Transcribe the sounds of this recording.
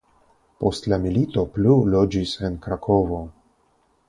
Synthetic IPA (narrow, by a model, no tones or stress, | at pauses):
po̞stlamilito̞plulo̞d͡ʒise̞nkɾakʰo̞vo̞